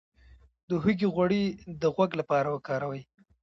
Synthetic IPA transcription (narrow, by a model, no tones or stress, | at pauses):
d̪əɦuɡiɣwaɽid̪əɣwaɡlapɑɾawəkɑɾawaj